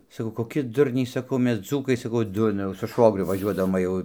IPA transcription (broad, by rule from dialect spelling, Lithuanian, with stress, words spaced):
sɐˈkɐʊ koːˈkʲɪ ˈdʊrʲnʲɛɪ sɐˈkɐʊ ˈmʲɛs ˈd͡zuːkɐɪ sɐˈkɐʊ ˈdʊrnɐ jɛʊ sʊ ˈʃʋoːɡrʲʊ ʋɐˈʒʲuɔdɐʋoːm ʋɐ ˈjɛʊ